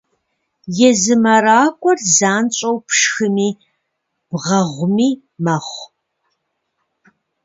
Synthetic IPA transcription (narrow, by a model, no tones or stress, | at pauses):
jɛzɨmɐɾaːkʷʼɔrzaːnt͡ʃʷʼɐwpʰʂxɨmiː | b̥ʁɐʁʷʊmiː | mɐχʷ